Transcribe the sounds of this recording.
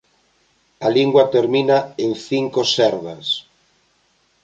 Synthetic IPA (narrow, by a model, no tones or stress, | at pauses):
aliŋɡwat̪eɾminaeŋθiŋkosɛɾβas